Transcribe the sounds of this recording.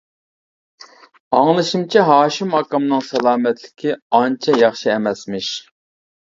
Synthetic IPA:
ɑŋlˠɨʃimt͡ʃʰiɦɑːʃimɑkɑmnɨŋsɛlˠɑːmɛt̪lɪ̥kʲʰiɑnt͡ʃʰɛjɑχʃiɛmɛsmɪʃ

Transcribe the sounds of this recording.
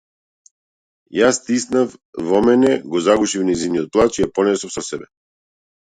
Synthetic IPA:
jast̪isnafvɔmɛnɛɡɔzaɡuʃifnɛjzinijɔt̪̚plˠat͡ʃijapɔnɛsɔfsɔsɛbɛ

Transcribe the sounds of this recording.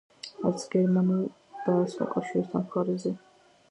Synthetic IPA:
aɾt̪sʰɡɛɾmanulˠ | d̪̥aːsma̰kʼafʃiɾɛst̪ʰanχaɾizɛ

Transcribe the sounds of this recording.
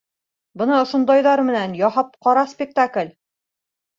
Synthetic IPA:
bɤ̆nɑŏʃŏnd̪ɑjðɑɾmɘ̆nænjɒhɑp̚qɒɾɑspʲɪk̚t̪aklʲ

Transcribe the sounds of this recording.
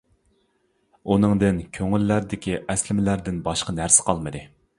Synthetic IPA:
unɨŋd̪ɪnkʲʰøŋylːæɾd̪ɪkʲʰiʔɛslɪmɪlæɾd̪ɪnbɑʃqɑnæɾsɪ̥qʰɑlˠmɨd̪ɨ

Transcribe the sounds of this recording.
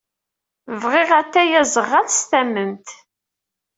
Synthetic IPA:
vʁɪʁæt̪ːæjæzəʁːæθst̪æmːəmt̪

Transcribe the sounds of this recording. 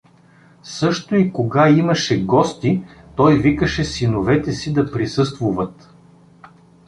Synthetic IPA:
sɤʃt̪oikoɡaimɐʃɛɡɔst̪it̪ɔjvikəʃɛsinovɛt̪ɛsid̪ɐpɾisɤst̪vuvɐt̪

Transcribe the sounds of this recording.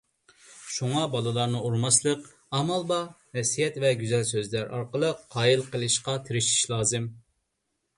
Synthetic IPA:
ʃuŋɑbɑlˠɨlˠɑɾnɨuɾmɑslˠəq | ɑmɑlˠbɑ | nɛsijɛt̪vɛɡʲyzɛlsøzlæɾʔɑ̰ɾqəlˠəqʰːɑːjilˠqʰəlˠɨʃqɑt̪ʰeɾɪʃi̥ʃlˠɑːzɨm

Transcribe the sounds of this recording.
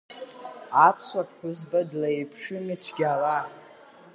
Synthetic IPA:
apʰsʷapʰʼħʷᶣʊzbadlajpʰʂɨmit͡ʃʷʰɡʲala

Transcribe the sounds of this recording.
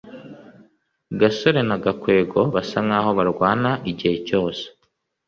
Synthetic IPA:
ɡaso̞ɾe̞naɡakwe̞ːɡo̞βasaŋaːho̞βaɾɡwaːnaʔiɟihe̞co̞ːse̥

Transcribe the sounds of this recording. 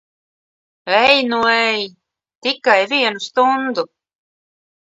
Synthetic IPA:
ɛjnuɛj | t̪ikajviɛnust̪und̪u

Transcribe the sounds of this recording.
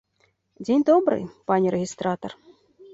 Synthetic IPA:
dʲenʲd̪obɾɨ̰jpɑnʲiɾʲeɣʲist̪rɑt̪or

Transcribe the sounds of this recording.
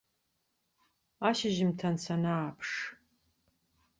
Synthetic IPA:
aːʃɪʒɪmtʰɐnsʰɐnaːpʰʂ

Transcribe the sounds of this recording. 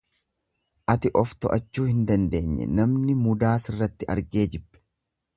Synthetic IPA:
ʔɐt̪ɪʔɔft̪ɔʔɐt͡ʃːuːhɪnd̪ɐnd̪e̞ːɲːɛ̰nɐmnɪmʊd̪aːsɪrːɐt̪ːɪʔɐ̰ɾɡe̞ːd͡ʒɪbːɛ̥

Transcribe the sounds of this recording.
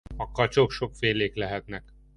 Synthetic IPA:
ɒkːɒlt͡ʃokʃokfeːleːklɛɦɛt̪nɛk

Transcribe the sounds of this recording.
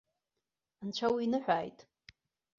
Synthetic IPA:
nt͡ʃʷʰawiinɨħᶣʷaːjtʼ

